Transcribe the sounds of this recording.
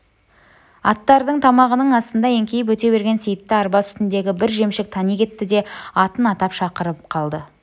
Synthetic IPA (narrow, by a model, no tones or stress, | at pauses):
ɑ̰t̪ːɑɾd̪əɴt̪ʰɑmɑʁənəɴɑst̪ənd̪ɑe̞ŋkʲʰe̞jɪp̬wɵt̪e̞βe̞ɾɡʲe̞nsejɪt̪ːɪɑɾbɑsʏ̥t̪ɪnd̪e̞ɡʲɪbɪɾʒe̞mʃɪk̚t̪ʰɑnijkʲʰe̞t̪ːɪd̪e̞ɑt̪ənɑt̪ɑpʃɑqəɾəp̚qʰɑlˠd̪ə